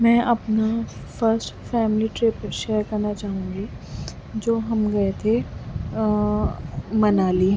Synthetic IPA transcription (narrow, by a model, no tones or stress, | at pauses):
mɛ̃ːʔɐpnafɐɾsʈfɛːmliʈɾeːpʃeːɾkɐɾnat͡ʃaːɦũːŋɡi | d͡ʒoːɦɐmɡɐet̪ʰe | mɐnaːliː